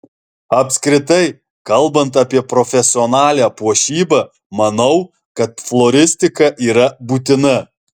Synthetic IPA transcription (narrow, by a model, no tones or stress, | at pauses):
ɐpʲsʲkɾʲɪt̪ɐɪ | kɐlˠbɐnt̪ɐpʲiɛpɾɔfʲɛsʲɪɔnɑːlʲæːpuɔʃʲiːbɐ | mɐnɐʊ | kɐt̪̚flˠɔɾʲɪsʲt̪ʲɪkɐʔiːɾɐbuːt̪ʲɪnɐ